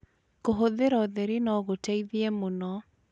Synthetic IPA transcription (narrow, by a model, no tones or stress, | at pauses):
koɦoðeɾɔðɛɾenɔɣotɛiðiɛmonɔ